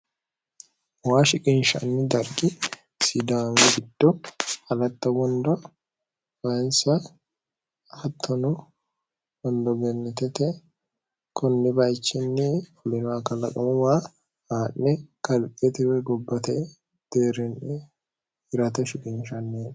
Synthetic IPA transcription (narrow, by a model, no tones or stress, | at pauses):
waːʃɪkʼɪnʃɐ̰nːɪd̪ɐɾɡɪ | sɪd̪aːŋɛɡɪd̪̥ːɔɐlɐt̪ːɐwɔnd̪ɔ | wɐnsa | ɐt̪ʰːɔnʊ | wɔnd̪ɔɡɛnːɛt̪ɛt̪ɛ | kʰɔnːɪbaːjt͡ʃːɪnːɪɔlɪnakɐlɐkʼɐmʊma | aːnːɛkɐlkʼɛt̪ɪwɛɡɔbːɐt̪ɛ | d̪̥eːɾɛnɛ | ɪɾɐt̪ɐʃɪkʼɪnʃɐnːeᶑ